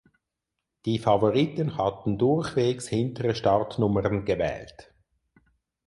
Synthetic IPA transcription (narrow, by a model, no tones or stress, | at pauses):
d̥iːfɑvoʁitənhatn̩dʊʁxveːkshɪntəʁəʃtɑʁtnʊməʁənɡəvɛ̰ːlt